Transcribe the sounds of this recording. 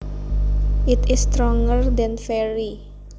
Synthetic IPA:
ʔɪt̪ɪst̪ɾɔŋɡərd̪ɛnfɛɹi

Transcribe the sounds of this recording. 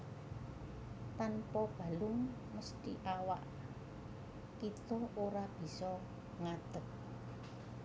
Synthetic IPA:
t̪anpɔb̥a̤lʊŋ | məst̪iʔawaʔ | kit̪ɔʔoɾab̥i̤sɔ | ŋad̪̥ək̚

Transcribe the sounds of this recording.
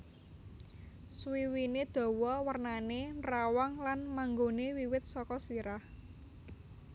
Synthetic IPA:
swiwined̪̥ɔ̤wɔwərnanerawaŋlanmaŋɡonewiwɪt̪̚sɔkɔsiɾah

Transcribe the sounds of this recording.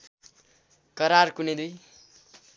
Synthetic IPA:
kʌɾarkuned̪uj

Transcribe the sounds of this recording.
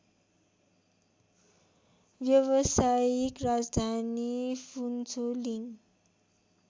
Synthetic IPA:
ʋjʌwʌsajikrad͡zd̪ʱanifʰunsoliŋ

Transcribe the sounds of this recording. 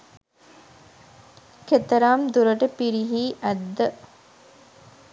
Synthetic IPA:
ket̪ɐɾaːmd̪uɾəʈəpiɾiɦiːʔæd̪ːə

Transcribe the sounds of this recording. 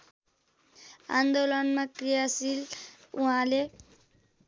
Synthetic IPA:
ã̰nd̪olʌnmãkɾijasil | ũɦãle

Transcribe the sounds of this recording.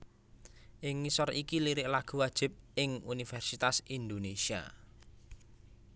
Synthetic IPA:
ʔɪŋːisɔrikiliɾɪʔlaɡ̥ṳwad̥ʒ̥ɪ̤p̚ɪŋunifɛrsit̪asind̪onesia̰

